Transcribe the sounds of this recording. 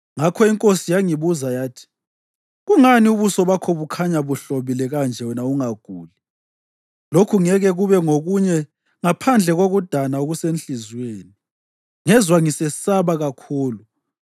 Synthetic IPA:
ŋakʰɔiŋkʼosijaŋiβuzajaːtʰi̥ | ɣuŋaniuβusɔβakʰɔβukʰaɲaβuɬoβilɛɣand͡ʒʱɛwɛnauŋaɡ̥ʱuːli | lokʰuŋɛɣɛɣuβɛŋoɣuɲɛ | ŋapʰand͡ɮʱɛɣoɣud̥ʱanaoɣusenɬizweːni | ŋɛzwaŋisɛsaβaɣakʰuːlu

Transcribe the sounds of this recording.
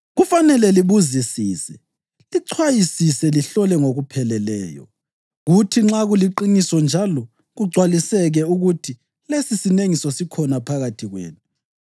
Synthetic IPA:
ɣufanɛlɛliβuzisiːsɛ | liǀʰwajisisɛliɬɔlɛŋoɣupʰɛlɛlɛ̰ːjɔ̰ | ɣutʰiŋ͡ǁaɣuliǃinisɔnd͡ʒʱalɔ | ɣuɡ͡ǀʱwalisɛɣɛuɣutʰi | lesisineŋisɔsikʰɔnapʰaɣatʰiɣwḛːnu

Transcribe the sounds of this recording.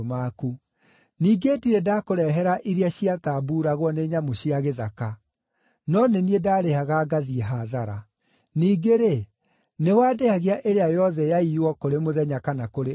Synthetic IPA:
maːku | niːɡetiɾedakoɾɛɦɛɾaʔiɾiaɕiataːbuːɾaɣwɔneːɲamoɕiaɣeðaka | nɔneniedaːɾehaɣaːɡaðieɦaðaɾa | niːɡeɾe | newaːdehaɣeaʔeɾeajɔðɛjaiwɔkoɾemoðɛɲakanakoɾe

